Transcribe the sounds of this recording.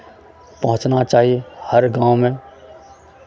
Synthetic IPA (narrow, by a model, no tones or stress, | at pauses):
pɐɦʊ̃t͡ʃnat͡ʃaːɦiehɐɾɡãːõmẽ